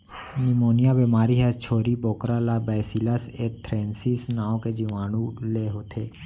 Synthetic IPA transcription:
nimoːnijabeːmaːɾiɦɛt͡ʃʰoːɾiboːkɾalabɛːsilaseːt̪ʰɾɛ̃ːnsisnaːõked͡ʒiʋaːñũleːɦoːt̪ʰeː

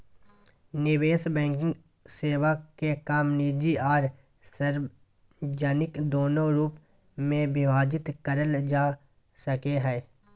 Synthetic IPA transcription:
nɪweːsbɛ̃ːŋkɪ̃ŋ | seːwakekaːmniːd͡ʒiaːɾ | səɾ | d͡ʒaːnɪkd̪oːnoɾuːp | mẽbɪʋaːd͡ʒɪt̪kəɾəld͡ʒaː | səkeɦɛː

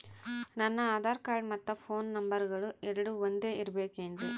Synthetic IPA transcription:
nɐnːɐaːd̪aːɾkaːɾɖmɐt̪ːɐpʰoːnːɐmbɐɾɡɐɭuɛɾɐɽuʋond̪e̞ːʔiɾɐbeːkeɳd̪u

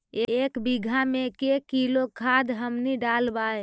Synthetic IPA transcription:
eekbiɡʱamekekilokʰad̪ɦəmniɖalbae

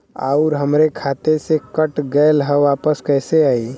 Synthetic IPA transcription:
a̰ʊɾɦəmɾekʰaːt̪esekəʈɡəɪlɦəʋaːpəskɛɪseaːi

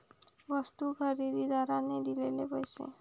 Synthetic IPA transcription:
ʋəst̪ukəɾid̪id̪aɾaned̪ilelepəjsḛ

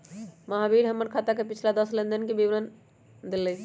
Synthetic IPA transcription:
məɦabiɽɦəmːəɾkʰat̪akepit͡ʃʰlad̪əslənd̪ənkebiʋɾən | d̪elːəj

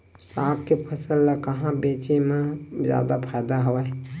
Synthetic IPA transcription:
saːkkepʰəsəlːakəɦãbeːt͡ʃemẽzja̰ːd̪apʰajd̪aɦoɛ

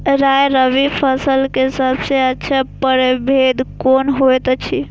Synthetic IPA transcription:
ɾajɾəʋipʰəsəlkeɦɪsabsẽətːʃʰapəɾebʱed̪konɦojt̪t͡ʃʰi

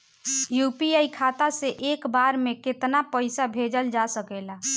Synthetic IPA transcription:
jupiaikʰat̪aseʔekbaɾmeket̪napəɪsabʱed͡ʒəld͡ʒasəkela

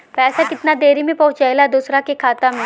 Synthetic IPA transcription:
pɛːsakɪt̪nad̪eːɾimẽpɐɦʊ̃t͡ʃajlad̪uːsɾakekʰaːt̪amẽ

